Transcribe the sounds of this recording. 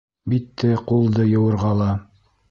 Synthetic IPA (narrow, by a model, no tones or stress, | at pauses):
bit̪ːɘqulˠd̪ɤjɤ̆wɤ̆ɾʁɑlˠɑ